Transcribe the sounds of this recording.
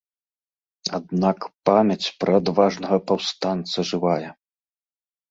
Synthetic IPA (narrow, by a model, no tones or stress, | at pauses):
ad̪nakpamʲɐt͡sʲpɾɐad̪vaʐnɐɣɐpawst̪ant̪sɐʐɨvajɛ